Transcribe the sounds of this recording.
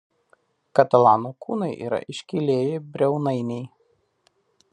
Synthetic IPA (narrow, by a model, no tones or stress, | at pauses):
kɐt̪ɐlˠɑːnokuːnɐɪʔḭːɾɐ̰ʔɪʃʲkʲɪlʲeːjebʲɾʲɛʊnɐɪnʲɛɪ